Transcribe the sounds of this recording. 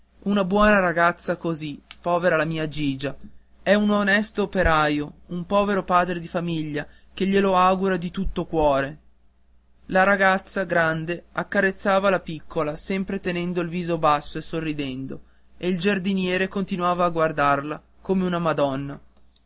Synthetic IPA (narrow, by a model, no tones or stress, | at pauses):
unabwɔːnaɾaɡat̪sːakozipɔːveɾalamiːad͡ʒiːd͡ʒa | ɛunonɛst̪oːpeɾaːjoumpɔːveɾopaːd̪ɾed̪ifamiʎːa | k̟eʎːeloaɡuɾad̪it̪ut̪ːokwɔːɾe | laɾaɡat̪sːaɡɾand̪eakːaɾet̪sːaːvalapikʰːolasɛmpɾet̪enɛnd̪oilviːzobasːoesːorːid̪ɛnd̪o | eild͡ʒard̪injɛːɾekont̪inwaːvaːɡward̪arla | komeunamad̪ɔnːa